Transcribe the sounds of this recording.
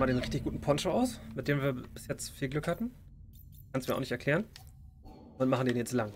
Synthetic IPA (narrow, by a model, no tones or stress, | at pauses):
maːdeːnʁɪçtɪçɡ̥uːtn̩pʰɔnʃoʔaʊsmɪt̚d̥eːmviːɐb̥ɪsjɛt͡stfiːlɡlʏkhatn̩ | kʰanstmiːɐaʊxnɪçtɛɐkl̥ɛːʁən | ʔʊnt̚maχn̩deːnjɛt͡stlaŋ